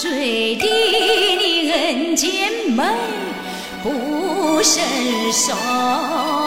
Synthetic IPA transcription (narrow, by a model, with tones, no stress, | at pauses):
swe˧˥˩ɪt̪i˧ni˧˩ɣə˧nt͡ɕɛ˥nmə˧˦ŋ | pu˧˩ʂə˧˥˩ʂɔ˧˩